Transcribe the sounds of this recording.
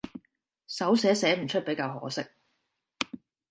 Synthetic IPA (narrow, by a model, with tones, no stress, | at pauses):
sɐ˨˥wsɛː˨˥sɛː˨˥m̩˨˩t͡ʃʰɵ˥pe˨˥jkaː˧wɦɔ̰ː˨˥sɪ˥k̚